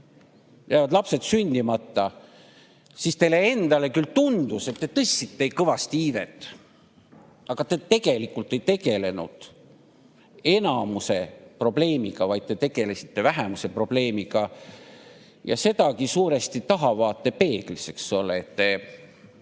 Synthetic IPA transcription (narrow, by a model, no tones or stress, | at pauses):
jæːvɑd̪lɑpse̞d̪̥synʲd̪̥imɑt̪ːɑ | sist̪e̞le̞e̞nd̪̥ɑle̞kylt̪und̪use̞t̪ːet̪ɤsʲːit̪ːe̞jkɤvɑst̪iiːvḛt̪ːˑ | ɑɡ̥ɑt̪et̪e̞ɡ̥e̞likːˑult̪ːˑe̞jt̪e̞ɡ̥e̞le̞nṵd̪̥ | e̞nɑmuse̞pro̞ble̞ːmiɡ̥ɑvɑjd̪̚t̪e̞t̪e̞ɡ̥e̞le̞si̥t̪ːe̞væɦemuse̞pro̞b̥le̞ːmiɡ̥ɑ | jɑ̰se̞d̪̥ɑkisuːɾe̞st̪it̪ɑɦɑvɑːt̪ˑːe̞pe̞ːɡ̥lise̞ksːo̞lːeet̪ːe̞